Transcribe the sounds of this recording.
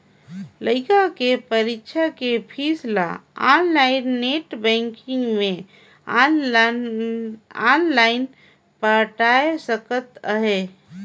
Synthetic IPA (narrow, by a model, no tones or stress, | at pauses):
ləɪkakepəɾikːʃʰəkepʰisla̰anlaɪnːeʈbɛ̃ŋkɪ̃ŋɡmẽ | anlaɪn | pəʈaesəkət̪əɦe